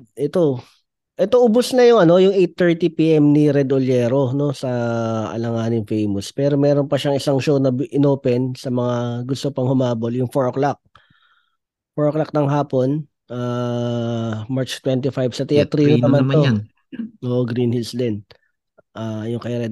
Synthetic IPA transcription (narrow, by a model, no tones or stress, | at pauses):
ʔɛt̪o̞ | ʔɛt̪oʔʊbʊsnɐjʊŋʔɐno̞jʊŋʔejt̪ːɛɹt̪ipiːʔɛmnɪɾɛd̪ʔoljɛːɾo̞no̞sɐʔɐ̰lɐŋaːnɪŋfejmospɛːɾo̞mɛːɾo̞npɐʃɐŋɪsɐŋʃownɐʔɪnoːpɛnsɐmɐŋaɡʊst̪opɐŋhʊmaːboljʊŋfoɹklak̚ | foɹoklɐk̚nɐŋɦaːpo̞n | ʔaː | maɹt͡ʃt̪wɛnt̪̬ifajbsɐt̪ɛɐt̪ɾiːnnɐmant̪o | ʔoːʔoɡɾinhilsd̪ɛn | ʔaːjʊŋkɐjaɾɛd̪